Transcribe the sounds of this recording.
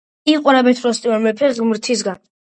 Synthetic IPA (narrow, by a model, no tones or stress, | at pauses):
iqʼwɾabɛt̪ʰɾɔst̪ʼiɔɾmɛpʰɛɡmɾt̪ʰis̬ɡan